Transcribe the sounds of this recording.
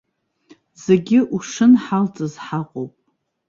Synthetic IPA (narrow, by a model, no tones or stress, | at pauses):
zeɡʲɪʔuʂɨnħalt͡sʼɨzħaqʷʼowpʼ